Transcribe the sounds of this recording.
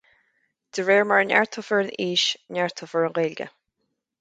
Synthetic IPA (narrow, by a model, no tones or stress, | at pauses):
d̪̥əɹeːɹməɹənɛ̰ɹt̪ʰʊfəɹəniːʃnɛɹt̪ʰʊfəɹənɣeːlɡə̰